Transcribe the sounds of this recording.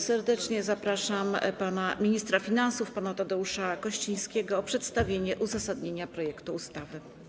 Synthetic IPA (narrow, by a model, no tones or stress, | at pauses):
sɛɾd̪ɛt͡ʂɲɛzapɾaʂam̰panamʲiɲist̪ɾafʲinansufpanat̪ad̪ɛuʂakɔɕt͡ɕij̃skʲɛɡɔːpʂɛt̪st̪avʲjeɲɛʔuzasad̪ɲeɲapɾɔjɛkt̪uːst̪avɘ